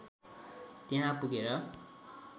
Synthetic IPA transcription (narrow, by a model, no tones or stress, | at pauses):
t̪eɦãpuɡeɾʌ